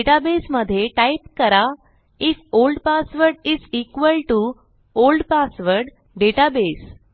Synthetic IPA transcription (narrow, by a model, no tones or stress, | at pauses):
eʈabesməd̪ʱːjeʈaipkəɾa | ifolɖpasʋəɾɖizikʋəlʈu | olɖpasʋəɾɖ | ɖeʈabes